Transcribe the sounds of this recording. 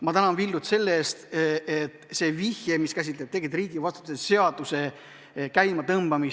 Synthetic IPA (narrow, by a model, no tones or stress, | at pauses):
mɑt̪ænɑnvilːut̪se̞lːeeːst̪et̪se̞ːvihjemiskæs̬ʲit̪leb̚t̪e̞kid̪riːɡ̥ivɑst̪ut̪usese̞ɑd̪̥use̞ | kæjmɑt̪ɤmb̥ɑmis